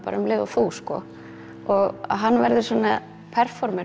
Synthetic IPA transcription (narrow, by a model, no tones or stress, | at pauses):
pa̰ɾʏmlɪːvawθuskɔ̰ | ɔɣa̰ðɦanːvɛɾðʏsɔːna | pʰɛɾ̥fɔɾmɛ